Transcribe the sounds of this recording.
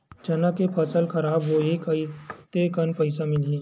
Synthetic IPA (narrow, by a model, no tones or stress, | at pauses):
d͡ʒɐnakepʰɐsəlxɐɾaːbɦoekɐit̪ekɐnpɐɪsamɪliː